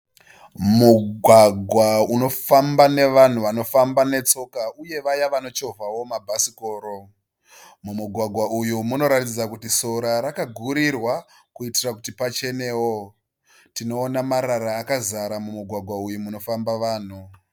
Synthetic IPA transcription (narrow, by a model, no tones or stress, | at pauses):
muɡʱwaɡʱwauno̞fambane̞ʋan̤uano̞fambane̞t͡so̞kauje̞ʋajaʋano̞t͡ʃo̞vʱawo̞mabʱasiko̞ːɾo | mumuɡʱwaɡʱwaʔujumuno̞ɾatid͡zakutiso̞ɾaɾakaɡʱuɾirwa | kuitirakutipat͡ʃe̞neːwo̞ | tino̞ːnamaɾaɾaːkazaɾamumuɡʱwaɡʱwaujumuno̞fambaʋaːn̤u